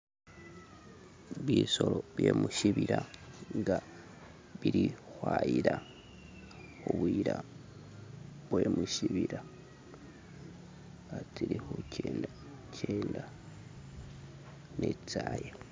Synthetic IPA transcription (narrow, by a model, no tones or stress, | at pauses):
βiːso̞loβje̞muʃiβiɾaŋɡa | βiɾixwajiɾa | oβuiɾa | βwe̞muʃiβiɾa | at͡siɾixocʰeːnda | cʰeːnda | net͡saːje